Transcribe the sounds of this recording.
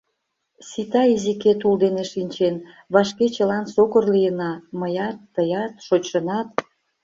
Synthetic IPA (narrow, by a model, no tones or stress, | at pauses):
sit̪ɑiziket̪uld̪eneʃinʲt͡ɕen | βɑʃket͡ɕəlɑnsokərlijənɑməjɑt̪ːəjɑt̪ʃot͡ɕʃənɑt̪